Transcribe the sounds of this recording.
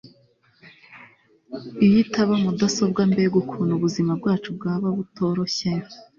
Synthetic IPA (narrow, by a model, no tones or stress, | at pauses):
ijitaβamudaso̞b̚ɡambeɡukʰuːnuβuzimabɡaːt͡ʃub̚ɡaːβaβuto̞ːɾo̞çejo